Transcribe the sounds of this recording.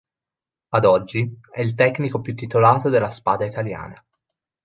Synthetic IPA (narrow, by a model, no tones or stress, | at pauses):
ad̪ɔd͡ʒːiɛilt̪ɛkːnikopjut̪ːit̪olaːt̪od̪elːaspaːd̪ait̪alja̰ːna